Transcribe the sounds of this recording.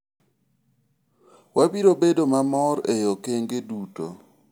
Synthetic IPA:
wabiɾobedomamɔɾejokeŋɡeduto̰

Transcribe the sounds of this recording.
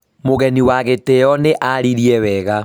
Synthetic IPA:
moɣɛniwaɣeteɔneʔaɾiɾiɛwɛɣa

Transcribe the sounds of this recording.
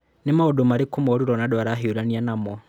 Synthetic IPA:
nemaodomaɾikumɔɾuɾɔnadwaɾaɦeuɾanianamɔ

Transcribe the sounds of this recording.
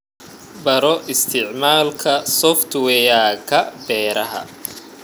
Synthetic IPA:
bɐɾɔʔɪst̪ʰɪʕmaːlkʰɐsɔft̪ʰwɛjaːkʰɐbɛːɾɐɦɐ̰

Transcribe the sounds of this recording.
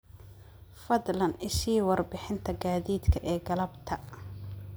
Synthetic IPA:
fɐðlɐnɪsiːwɑrbɪħɪnt̪ʰɐɡaːðiːd̪kʰɐʔɛːɡɐlɐbt̪ʰɐ

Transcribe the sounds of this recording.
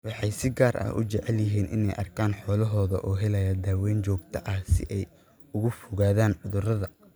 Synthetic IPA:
wɑħɑjsɪɡaːrʔɐ̰hʊ̰t͡ʃɛʕɛljɪɦiːnʔɪ̰nɛ̰jʔɐ̰rkʰaːnħɔːlɐɦɔːðɐʔɔːɦɛlɐjɐd̪aːwɛːjnt͡ʃɔːɡ̚t̪ʰɐʔɐhsɪ̰ʔɛj | ʊɣʊfʊɣaːðaːnʕʊðʊrɐðɐ

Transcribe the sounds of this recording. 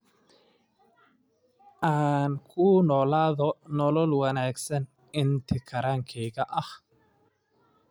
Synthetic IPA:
ʔaːnkʰʊnɔːlaːðɔnɔlɔlwɐnaːɡsɐn | ɪnt̪ʰɪkʰɐɾaːŋkʰɛːɣɐʔɐh

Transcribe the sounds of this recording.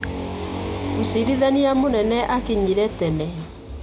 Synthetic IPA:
usiɾiðaniamonɛnɛʔakeɲiɾɛtɛnɛ

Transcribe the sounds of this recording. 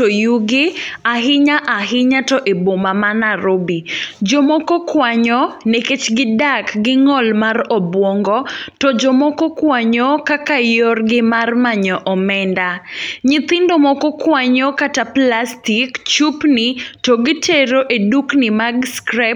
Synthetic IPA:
tojuɡɪaɦɪɲaʔaɦɪɲatɔʔebomamanaɾobid͡ʒɔmɔkɔkwaɲɔneket͡ʃɡɪdakɡɪŋɔlmarɔbwɔŋɡɔtɔd͡ʒɔmɔkɔkwaɲɔkakajɔrɡɪmarmaɲɔʔɔmɛndaɲɪt̪ɪndomɔkɔkwaɲɔkataplastikt͡ʃupnɪtɔɡɪteɾoʔeduknɪmaɡskɾɛp

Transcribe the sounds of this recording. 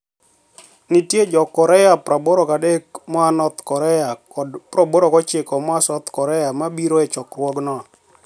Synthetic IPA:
nitjed͡ʒɔkːɔɾɛjapɾaboɾokadekmɔanɔt̪kɔɾɛja | ɔpɾoboɾokɔt͡ʃɪkɔmɔasɔt̪kɔɾɛjamabiɾoɛt͡ʃɔkɾwɔɡnɔ

